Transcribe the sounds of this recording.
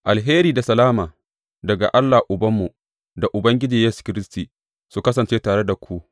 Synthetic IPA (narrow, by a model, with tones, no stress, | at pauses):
ʔa˨lɦeː˦ɾiː˨da˨sɐ˨laː˦maː˨ | dɐ˨ɡa̰˨ʔa˦lːa˨ʔʊ˨bɐ˦mːu˨ | da˨ʔʊ˨bɐ˦ŋɡʲɪ˦d͡ʒiː˨jeː˦su̥˨kʲɪ˦ɾɪ˦stiː˨ | su˨kɐ˦s̬ɐ˨nt͡ʃeː˦taː˨ɽe˦da˨kʷu˦ʔ